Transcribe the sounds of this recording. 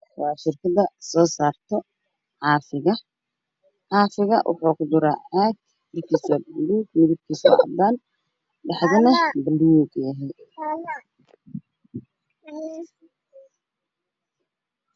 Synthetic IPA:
wɑːʃɪrkʰɐðɐsɔːsaːrt̪ʰɔ | ħɑːfɪɣɐ | ħɑːfɪɣɐʔwʔɑ̰ħuːkʰʊd̪ʊɾaːʕaːɡ | ɪrkʰiːsɐbɐlːuːɡmɪðɪb̚kʰiːsɔ̰ʕɑ̰d̪aːn | ɖɑħðɐnɐbɐlːwuɡjɐɦɛj

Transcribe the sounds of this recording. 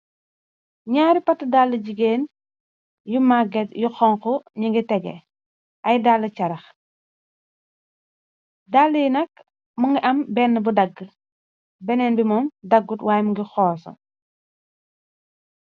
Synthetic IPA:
ɲaːɾipɐtːədalːəɟiɡeːn | jumaɡɛtjuxɔŋkɔɲiŋɡitɛɡɛ̰ | ʔɐjdalːət͡ʃɐɾɐx | dalːəjnɐk̚ | muŋɡiʔɐmbɛnːəbudɐɡːə | bɛnɛnbimɔːmdɐɡːutwaːjmuŋɡixɔːsɐ̰

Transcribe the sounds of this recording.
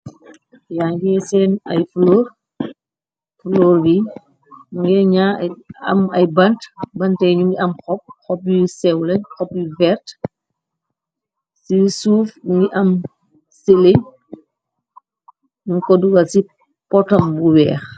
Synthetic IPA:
jaːŋɡɛsɛːnɐ̰jflɔːr | flɔːɾbi | muŋɡɛɲaːɐ̰mɐjbɐntbɐntɛjɲuŋɡiɐmxɔp̚xɔpjusɛwlɛɲxɔpjuvɛɾt | sisuːfmuŋɡiʔɐm | sile | nuŋkɔduɡɐsi | pɔtɐmbuwɛːx

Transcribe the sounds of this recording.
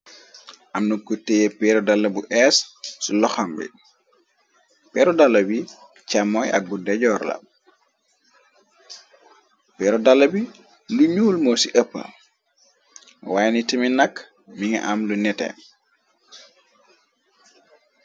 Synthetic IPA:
ʔamnukutːejɛpɛɾɔdalːɐbuʔɛssulɔxambɛ̰ | pɛːɾɔdalːɐbi | t͡ʃamːɔja̰k̚budɛɟɔːɾla̰ | pɛɾɔdalːɐbi | luɲuːlmɔsiʔəpːə̰ | wajnitiminakː | miŋa̰ʔamlunɛtɛ̰n

